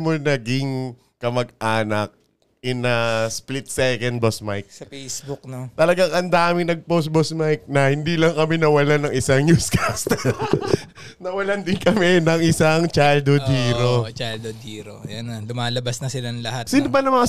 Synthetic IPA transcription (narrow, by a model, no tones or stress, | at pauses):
monɐɡɪŋ | kɐmɐɡʔaːnɐk̚ | ʔɪnɐsplɪt̪̚sɛkɛnd̪̚bosmajk̚sɐpejsbbʊk̚not̪ɐlɐɡaŋʔɐnd̪aːmɪnɐɡ̚post̪̚bosmajk̚nɐhɪnd̪ilɐŋkɐmɛnɐwɐlanɐŋʔɪsaŋnjuːskast̪ɛ | nɐwɐland̪ɪnkɐmɛnɐŋʔɪsaŋt͡ʃajld̪od̪iːɾot͡ʃajld̪od̪iːɾojɐnalʊmaːlɐbasnɐsɪlaŋlɐhat̪sinobɐnɐmɐŋa